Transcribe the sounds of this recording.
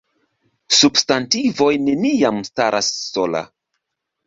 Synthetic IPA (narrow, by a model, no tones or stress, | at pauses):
substantivo̞jne̞niamstaɾasːo̞la̰